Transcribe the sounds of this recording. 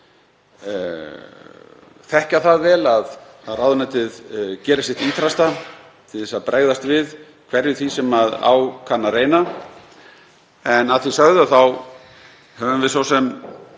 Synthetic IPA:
θɛhcaθaðvɛːlaðθaðrawðʏnɛt̪ɪðcɛːɾɪsjɛht̪iːt̪ʰɾast̪a | t̪ʰɪðɛsaðpɾeɣðast̪vɪð | kʰvɛɾjʏθisɛmaða̰wkʰanːareːjna | ɛnaðθisaɣðʏaθaw | hœːvʏmvɪðsowsɛm

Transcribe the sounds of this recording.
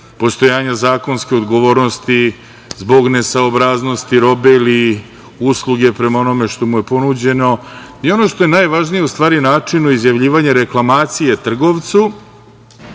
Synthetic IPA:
po̞st̪o̞jaːɲazaːko̞nskʲeo̞d̪ɡo̞ʋo̞ːɾno̞st̪i | zbo̞ɡne̞saobɾaːzno̞st̪iɾo̞beili | uslˠuɡe̞pɾe̞maono̞me̞ʃt̪o̞muje̞po̞nud͡ʑe̞no̞io̞no̞ʃt̪o̞jenajʋaʒnijeust̪ʋaːɾinaːt͡ʂinuizjaʋʎiːʋaɲaɾe̞klˠamaːt̪sijet̪r̩ɡo̞ʋt̪su

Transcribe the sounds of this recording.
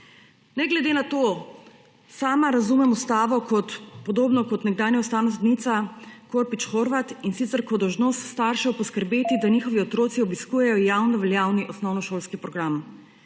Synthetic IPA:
nɛɡlɛd̪eːnat̪o | saːmaɾazumɛmust̪aːʋɔkɔt̪pɔd̪oːbnɔkɔt̪nɛɡ̚d̪aːnjaʊst̪aːwnas̬d̪nit̪sakoɾpit͡ʃxoɾʋat̪insit̪sɛɾkɔd̪ɔwʒnost̪st̪aɾʃɛɔpɔskəɾbeːt̪id̪aɲixɔʋiɔt̪ɾoːt̪siɔbiskuːjɛjɔjawnɔʋɛljaːwniʔɔsnɔwnɔʃoːlskipɾɔɡɾam

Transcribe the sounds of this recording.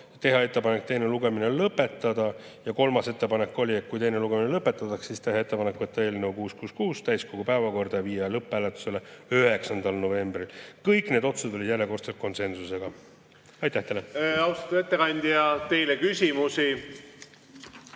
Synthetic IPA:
t̪e̞ɦɑe̞t̪ˑːe̞pɑne̞k̚t̪e̞jneluɡ̥e̞minelɤpːˑe̞t̪ːˑɑd̪̥ɑ | jɑko̞lmɑse̞t̪ːe̞pɑne̞kːˑo̞lʲiet̪̚kujt̪e̞jneluɡ̥e̞minelɤpːˑe̞t̪ːˑɑt̪ːɑkssist̪e̞ɦɑe̞t̪ːˑepɑnekːˑvɤt̪ːɑe̞ːlne̞ukuːskuːskuːst̪æjsko̞ɡ̥upæevɑko̞rd̪̥ɑjɑviːjːɑlɤpˑːæːlet̪ːˑu̥se̞leyɦe̞ksɑnd̪̥ɑlno̞ve̞mbrilkɤjkːˑne̞d̪o̞t̪susd̪olid̪jælʲje̞ko̞rt̪set̪̚ko̞nse̞nsuse̞ɡ̥ɑ | ɑjt̪ːˑæht̪eleɑwst̪ɑ̥t̪ːˑu̥e̞t̪ːekɑnʲd̪̥iɑt̪e̞jlekysʲimusi

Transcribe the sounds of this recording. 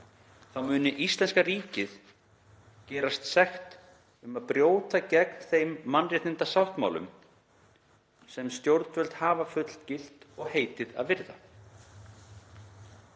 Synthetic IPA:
θawmʏːnɪʔist̪lɛnskariːcɪð | cɛːɾast̪sɛxt̪ | ʏmaðpɾjoːwt̪acɛknθejmːanrjɛht̪ɪnt̪asawht̪ma̰wlʏ̰m | sɛmst̪jowɾt̪vœlt̪haːvafʏt̪l̥t̪cɪl̥t̪ɔɣheːjt̪ɪða̰ðvɪɾða̰

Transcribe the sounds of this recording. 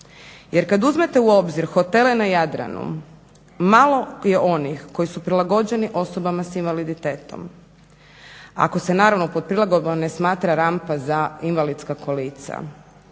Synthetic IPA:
jeɾkad̪uzme̞t̪e̞uo̞bziɾxo̞t̪e̞lenajad̪ɾa̰nṵ | malo̞je̞ʔo̞nixko̞jisupɾilˠaɡo̞d͡ʑe̞niʔo̞so̞bamasinʋalid̪it̪eːt̪o̞̰m | a̰ko̞senaːɾaʋno̞po̞d̪̚pɾilaɡobane̞smaːt̪ɾaɾampazainʋalid̪skakʰolit̪sa̰

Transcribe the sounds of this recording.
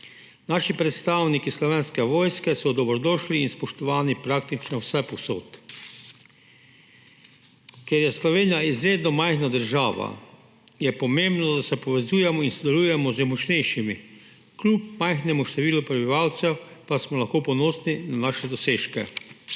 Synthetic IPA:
naːʃipɾɛt̪st̪aːwnikislɔʋeːnskɛʋɔːjskɛsɔd̪ɔbɾɔd̪ɔːʃliːnspɔʃt̪ɔʋaːnipɾaːk̚t̪it͡ʃnɔwsɛpɔso̰ːt̪ | kɛɾjɛslɔʋeːnijaizɾeːd̪nɔmajxnad̪əɾʒaːʋa̰ | jɛpɔmembnɔd̪asɛpɔʋɛzuːjɛmɔinsɔd̪ɛluːjɛmɔzɛmɔt͡ʃnɛjʃimi | klup̚majxnɛmuʃt̪ɛʋiːlupɾɛbiʋawt̪sɛwpasmɔlaxkoːpɔnɔːsninanaːʃɛd̪ɔseːʃkɛ̰

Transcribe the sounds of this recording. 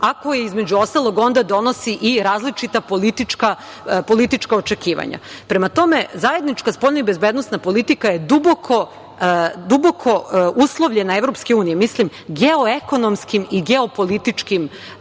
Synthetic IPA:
ako̞jeizme̞d͡ʑuo̞st̪alˠo̞ɡo̞nd̪ad̪o̞no̞siʔiɾaːzlit͡ʃit̪apolit̪it͡ʃka | po̞lit̪it͡ʃkaot͡ʃe̞kiːʋa̰ɲa̰pɾe̞mat̪o̞me̞zaje̞d̪nit͡ʃkaspoʎnaibe̞zbed̪nosnapo̞lit̪ikaje̞d̪ubokʰo̞ | d̪ubokʰo̞uslˠoʋʎe̞naevɾopske̞uːnijemislim | ɡeoeko̞no̞mskimiɡeopo̞lit̪it͡ʃkim

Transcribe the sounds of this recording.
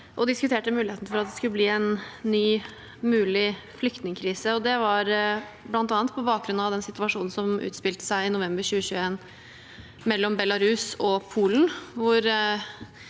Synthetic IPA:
ʔɔd̪ɪskʉt̪ʰeːʈəmʉːlɪeːt̪nfɔɾɑt̪d̪ɛskʉləbliːɛnːyː | mʉːlɪ | flʏk̚t̪nɪŋəkʰɾiːsəɔd̪ɛʋɑɾ | blɑnt̪ɑːnət̪̚pʰɔbɑːk̚ɡɾʉnɑʋd̪ɛnsɪt̪ʉɑʂuːnn̩sɔmʉ̰ːt̪spɪlt̪ə̥sæɪɪnʊʋɛmbəɾɕʉːəɕʉːəeːn | mɛlːɔmbɛlɑɾʉsɔpʰuːln̩ʋʊɾ

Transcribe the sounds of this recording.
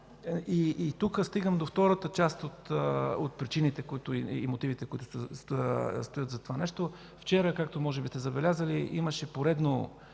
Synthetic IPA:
iːt̪ukəst̪iɡəmd̪oft̪ɔɾət̪ət͡ʃast̪ot̪ot̪̚pɾit͡ʃinit̪ɛkoit̪ʊiimot̪ivit̪ɛkʊit̪ʊ | st̪ojət̪zɐt̪ovanɛʃt̪o | ft͡ʃɛɾəkak̚t̪omɔʒɛbist̪ɛzɐbɛlʲazəliʔiməʃɛpoɾɛd̪no

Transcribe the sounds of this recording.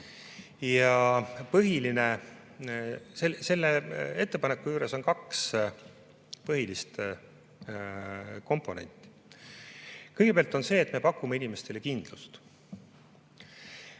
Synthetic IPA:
jɑpɤɦiline̞ | sese̞lːee̞t̪ːe̞pɑnekːujuːɾe̞so̞nkɑks | pɤɦilist̪ | ko̞mpˑo̞nḛnʲt̪ːˑi̥ | kɤjɡepeɑlt̪ːˑo̞nse̞ːt̪me̞pɑkːˑumeinime̞st̪e̞le̞kind̪̥lust̪

